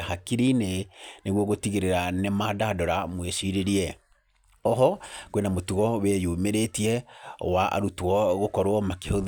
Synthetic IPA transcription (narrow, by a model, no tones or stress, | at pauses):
hakiɾineneɣwɔɣotiɣeɾeɾanemaːdadɔɾamweʃiɾeɾiɛ | ɔɦɔkwenamotuɣɔwejomeɾetiɛwaʔa̰ɾutwɔɣokɔɾwɔmakehoð